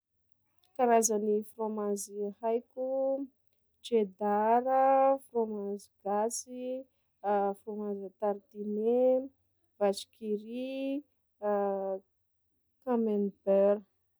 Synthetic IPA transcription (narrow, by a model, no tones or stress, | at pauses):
kaɾazanifromazihajkʲu | d͡ʒed̪aɾəfromaziɡ̥asi | fromazat̪aɾt̪ine | vat͡ʃi̥kiɾi | kamenbɛɾə